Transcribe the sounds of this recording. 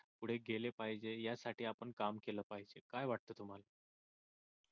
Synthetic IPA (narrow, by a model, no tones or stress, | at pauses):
puɽ̤eɡʱelepaɦid͡ʑejasaʈiːapəɳkamkeləpaɦid͡ʑekajʋaʈ̚t̪əːt̪um̤ala